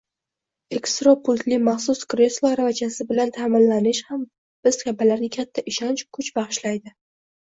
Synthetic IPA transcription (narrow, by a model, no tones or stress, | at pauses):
e̞kst̪ɾopʰʊlt̪lɪmaχsʊskɾeslˠoɾavɪd͡ʒasɪbɪlant̪ʰamɪnlanɪʃham | b̥ɪz̥kʲabalaɾnɪkʲʰat̪ʰːaʔɪʃɒnt͡ʃkʰʊt͡ʃbɑχɨʃlajd̪ɪ